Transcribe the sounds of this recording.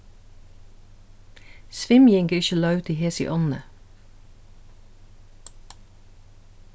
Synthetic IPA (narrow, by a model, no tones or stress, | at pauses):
sʋɪmjɛŋɡəɾɪçəlɑʉt̪iːheːsḭʔɔnnə